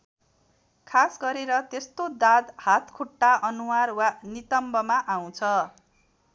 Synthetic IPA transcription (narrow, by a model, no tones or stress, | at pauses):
kʰasɡʌɾeɾʌt̪est̪od̪ad̪hat̪kʰuʈːaʔʌnuwarwanit̪ʌmbʌmaʔaw̃t͡sʰʌ